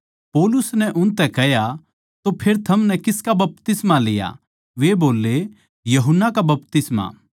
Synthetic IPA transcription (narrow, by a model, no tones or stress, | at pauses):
poːlʊsnɛʔʊnt̪ɛkɛja | t̪opʰeːɾt̪ʰɐmnɛkɪskabɐp̚t̪ɪsmalɪja̰ | ʋeboːlːe | jɐɦʊnːakabɐpt̪ɪsmã̰ː